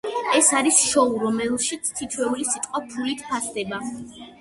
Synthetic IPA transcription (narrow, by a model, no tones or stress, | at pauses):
ɛsaɾisʃɔuɾɔmɛlˠʃit̪sʰt̪ʰit̪ʰwɛulisit̪ʼqʼwapʰulit̪ʰpʰasd̪ɛba